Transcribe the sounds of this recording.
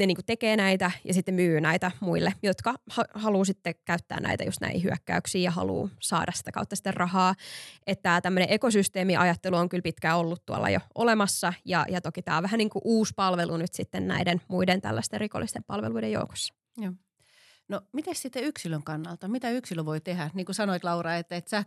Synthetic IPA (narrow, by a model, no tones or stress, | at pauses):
neniːŋkut̪ekeːnæit̪æjɑ̰sit̪ːemyːnæit̪æmuilːejot̪kɑhɑhɑluːsit̪ːekæyt̪ːæ̰ːnæ̰it̪æ̰just̪nʔæ̰ihḭhyækːæ̰yksiːjɑhɑ̰lṵːsɑ̰ːdʔɑsi̥t̪ækɑ̰ut̪ːɑsi̥t̪ːerrʔɑhɑːʔet̪ːæt̪æmːøneʔekosyst̪eːmiʔɑjɑt̪ːeluoŋkylpit̪kæolːut̪t̪uɑ̰lːɑ̰jo̰olemɑsːɑjɑ̰jɑt̪okit̪æ̰ːoʋʋæhæniːŋkuʔuːspɑlʋelunyt̪sit̪ːennæ̰idenmuident̪æ̰lːæst̪eriko̰lːist̪empɑlʋḛluidejo̰uko̥sːɑ̥ | jɑː | nomit̪essit̪ːeyksiløŋkɑnːɑlt̪ɑmit̪æyksiløʋoit̪ehæniːŋkusɑnoit̪lɑurɑet̪ːet̪sæː